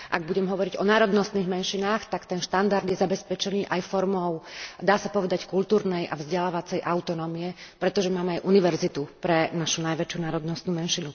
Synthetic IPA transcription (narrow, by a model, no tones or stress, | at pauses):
ʔa̰ɡ̚buɟɛmɦɔʋɔɾiɟɔnaːɾɔd̪nɔst̪niːɣmɛnʃinaːxt̪akt̪ɛnʃt̪and̪aɾd̪jɛzabɛspɛt͡ʃɛniːʔajfɔɾmɔʊd̪aːsapɔʋɛd̪ackult̪uːɾnɛjʔa̰vzɟɛlaːʋat͡sɛjʔaʊt̪ɔnɔːmiɛpɾɛt̪ɔʒɛmaːmɛajʔuniʋɛɾzit̪upɾɛnaʃunajʋɛt͡ʃjunaːɾɔd̪nɔst̪nuːmɛnʃinu